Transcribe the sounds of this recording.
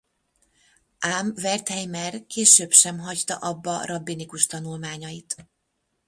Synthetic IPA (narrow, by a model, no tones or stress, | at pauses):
ʔaːmvɛrt̪hɛjmɛrkeːʃøːbʃɛmɦɒct̪ɒ̰ʔɒbːɒrɒbːinikuʃt̪ɒnulmaːɲɒjit̪